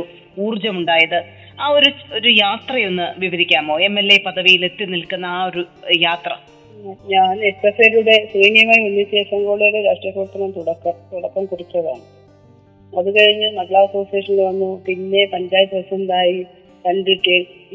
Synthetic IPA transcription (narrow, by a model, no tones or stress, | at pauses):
uːrd͡ʑɐmuɳɖaːjɐðɨ | aːo̞ɾuo̞ɾujaːt̪rɐjo̞nːɨʋiʋɐɾikʲːaːmoːe̞mːe̞lːe̞pɐðɐʋijile̞t̪ːɨnilkunːɐːo̞ɾujaːt̪rɐ̰ | ɲaːnesːeɐseɾuɽe̞sriːnijɐmaːjiunːjɐt̪eːsɐŋɡɐɭuːɽejuɽeɾaːʂʈrɐkuːɾɐt̪ːɐnɐnt̪uɽɐkːɐmt̪uɽɐkːɐmkurit̪ːɐða̰ːɳɨ | ɐðukɐɻiɲːɐnɐɡɐɭaɐso̞ːsijeːʂɐnleʋɐnːupinːe̞pɐɲd͡ʑaːjt̪ːɨiʋɐsɐnd̪aːji | t̪ɐɳɖiʈːe